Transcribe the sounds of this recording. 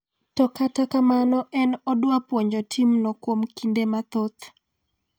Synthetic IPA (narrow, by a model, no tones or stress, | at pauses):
tɔkatakamanɔʔɛnɔdwapwoɲd͡ʒɔtʰimnokwomkindemat̪ot̪